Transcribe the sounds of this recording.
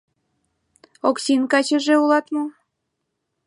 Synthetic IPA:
oksʲinkɑt͡ɕə̆ʒeulɑt̪mo

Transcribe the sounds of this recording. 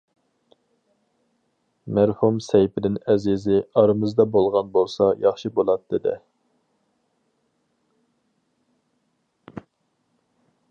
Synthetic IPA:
mæɾhumsɛjpɪd̪ɪnɛzɪzɪɑɾɨmɨzd̪ɑbolˠʁɑnbolˠsɑjɑχʃibolˠɑt̪ːɨd̪ɪ̰

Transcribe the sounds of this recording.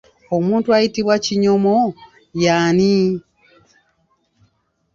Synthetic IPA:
omuːntuajitiβwaciɲomo | jaːni

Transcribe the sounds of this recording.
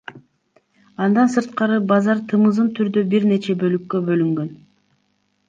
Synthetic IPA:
ɑnd̪ɑnsɯɾt̪̚qɑɾɯbɑzɑɾt̪ʰɯmɯzɯmt̪ʰyɾd̪øbiɾne̞t͡ʃebø̞lykːø̞bø̞lyŋɡø̞n

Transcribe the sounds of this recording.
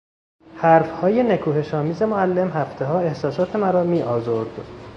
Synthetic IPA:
hæɾfhɒːje̞ne̞kʰuːɦe̞ʃɒːmiːze̞moælːe̞mɦæft̪ʰe̞ɦɒːe̞hsɒːsɒːt̪ʰe̞mæɾɒːmiːʔɒːzoɾd̪

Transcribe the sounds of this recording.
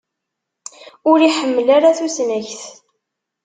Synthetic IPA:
ʊɾiħəmːəlaɾaθusnæçθ

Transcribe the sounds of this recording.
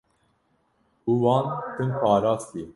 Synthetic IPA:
uwɑːnt̪ʰɨnpɑːɾɑːst̪iː

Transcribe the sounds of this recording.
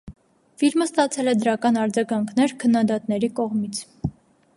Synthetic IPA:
filməst̪ɑt͡sʰɛlɛd̪əɾɑkɑnɑɾd͡zɑɡɑŋkʰnɛɾkʰənːɑd̪ɑt̪nɛɾikɔʁmit͡sʰ

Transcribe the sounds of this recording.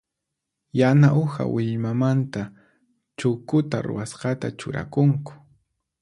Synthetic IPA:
janaʔʊha̰wɪʎmamant̪a | t͡ʃʊkʊt̪aɾʊ̰wasqɑt̪at͡ʃʊ̰ɾa̰kʊŋkʊ̥

